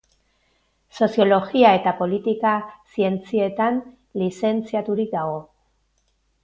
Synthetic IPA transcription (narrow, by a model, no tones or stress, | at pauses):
so̞sjo̞lo̞ɣiae̞t̪apo̞lit̪ikasie̞nt͡sie̞t̪an | lise̞nt͡siat̪uɾik̚d̪aɣo̞